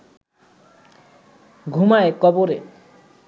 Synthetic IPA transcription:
ɡʱumaekɔboɾe

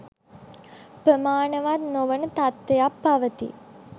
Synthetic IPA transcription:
pɾəmaːnəʋat̪noʋənət̪at̪ʋejapːaʋət̪ḭ

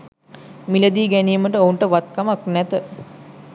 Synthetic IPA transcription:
miləd̪iːɡænijːməʈəouɳʈəʋat̪̚kamaknæt̪ə

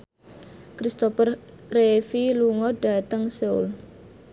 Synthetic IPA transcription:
kɾist̪opərː | efiluŋɔɖ̥a̤t̪əŋseṵl

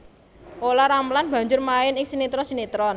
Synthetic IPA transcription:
ʔolaɾamlanb̥ä̤ɲd͡ʒʊrmaɪnɪŋsinit̪ɾɔnsinit̪ɾɔn

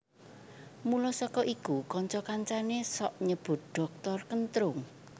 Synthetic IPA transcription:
mulɔsɔkɔʔikukɔɲt͡ʃɔkaɲt͡ʃanesɔʔɲəb̥ʊ̤t̪̚ɖ̥ɔ̤k̚t̪ɔrkənt̪ɾʊŋ

